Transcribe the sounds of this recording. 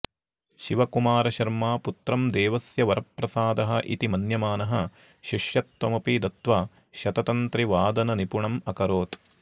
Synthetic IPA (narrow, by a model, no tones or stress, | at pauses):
ʃiʋɐkumaːɾɐʃɐɾmaːput̪ɾɐmd̪eːʋɐsjɐʋɐɾɐpːɾɐsaːd̪ɐɦɐʔḭt̪imɐnjɐmaːnɐɦɐ | ʃiʂjɐt̪ʋɐmɐpid̪ɐt̪ʋaː | ʃɐt̪ɐt̪ɐnt̪ɾiʋaːd̪ɐnɐnipuɳɐmɐkɐɾoːt̪